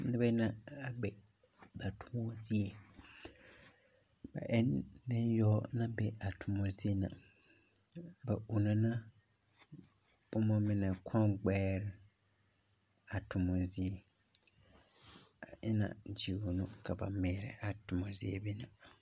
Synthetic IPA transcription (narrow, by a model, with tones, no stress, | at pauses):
nɪ˦ba˦ɪ˦na˦a˨ɡ͡bɛ˨ | ba˨tʰʊ̥˨mo˦zi˦e˨ | ba̰˨ʔɛ˦ndɪ̃˦jɔ˦nã˦bɛ˦a˨tʰʊ˨mo˨zi˦e˦na̰˨ | ba˨ʔu˨na˦na˦ | bʊ˦mɔ˦mɪ˦na˨kʰɔ̃˦ɡ͡bɛː˦ɾɪ˦ | a˨tʰʊ˨mo˨zi˦e˨ | a˨ʔɪ˦nã̰˨d͡ʒi˨wo˨nʊ̃˦kʰa˨ba̰˨mɛː˨˦ɾɪ̰˦ʔa˨tʊ˨mo˨zi˦ḛ˦bi˦na˨